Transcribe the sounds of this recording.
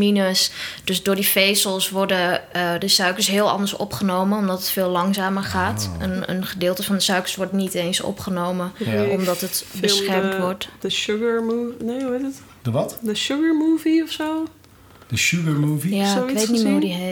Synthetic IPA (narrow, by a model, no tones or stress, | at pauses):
inəsd̥øsdʊːɹdifejsəlˠsʋɔdəədəsœɥkəɹsɦɪːlˠɑ̰ndəɹsɔ̰pχənowmənɔmdɑtətfɪːlɑŋsaːməɹχaːtənə̰nχədɪːlˠtəfɑndəsœɥkəɹsʋɔɹtnitejnsɔ̰pχənowməɔmdɑtətbəsχɛrmtʋɔɹtdəʃʊɡəɹmuneuetət | dʋɑtdəʃʊɡəɹmuːviɔfso | dəʃʊɡəɹmuːvijasokʋetnimɦudiɦe